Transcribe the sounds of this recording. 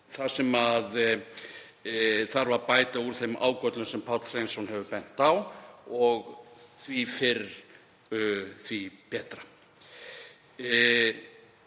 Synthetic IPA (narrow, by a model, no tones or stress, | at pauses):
θḁsɛmað | θaɾvaɾpaːjt̪auɾ̥θejmʔa̰ːwkœt̪lʏnsɛmpʰat̪lr̥ejnsɔnhɛvʏpɛn̥t̪awɔɣθvifɪɾ | θvipɛːt̪ɾa